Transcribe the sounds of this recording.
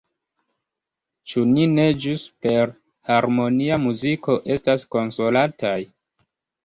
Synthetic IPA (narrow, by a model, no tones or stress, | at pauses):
t͡ʃunine̞d͡ʒuspe̞ɾ | haɾmo̞niamuziko̞ʔe̞stasko̞nso̞latʰaj